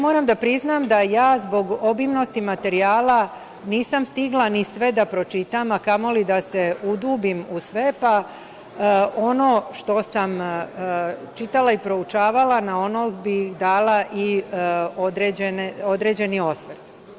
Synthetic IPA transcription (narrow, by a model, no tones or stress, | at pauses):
mo̞ːɾamd̪apɾiznamd̪ajaːzbo̞ɡobimno̞st̪imat̪e̞ɾiaːla | niːsamst̪iɡlˠanisʋed̪apɾo̞t͡ʃit̪amakamo̞lid̪aseud̪uːbimusʋe̞pa | o̞noːʃt̪o̞sam | t͡ʃit̪alaipɾo̞ut͡ʃaːʋalanao̞nobixd̪aːlaʔi | od̪ɾeːd͡ʑeneo̞d̪ɾed͡ʑe̞nio̞sʋet̪